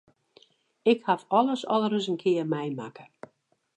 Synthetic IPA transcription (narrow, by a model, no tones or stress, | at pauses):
ɪkhafɔlˠəsɔlˠəɾəs̬ənkʰɪərmɛjmakə̥